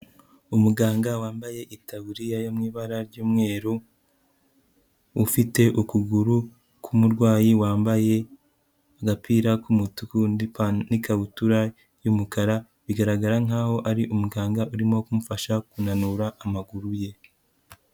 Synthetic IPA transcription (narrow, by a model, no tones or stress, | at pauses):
umuɡaːŋɡawaːmbaje̞ʔitaβuɾijajomŋiːβaɾaɾɟuːmŋe̞ːɾu | fite̞ʔukuɡuɾu | kʰumuɾɡwaːjiwaːmbaje̞ | aɡapiːɾakumutupanikaβutuɾa | jumukaɾa | βiɡaɾaɡaɾaŋaːho̞ʔaɾiʔumuɡaːŋɡaʔuɾimo̞kumufaʃakunanuɾaʔːmaɡuɾuje̞